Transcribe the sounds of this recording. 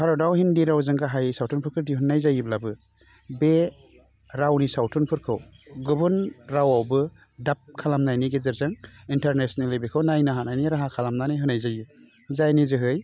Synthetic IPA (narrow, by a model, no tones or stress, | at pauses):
haɾɔdawhindiɾawzɯŋɡaɦajsawtʰunpʰɯɾkʰɯɾdiɦunːajzajiblabɯ | be | ɾawnisawtʰunpʰɯɾkʰɯw | ɡɯbunɾawawbɯ | dap̚kʰalamnajniɡezɯɾzaŋintaɾnesnelːɯbekʰɯwnajnaɦanajniɾaɦakʰalamnanɯjɦɯnajzaju | zajnizɯɦɯj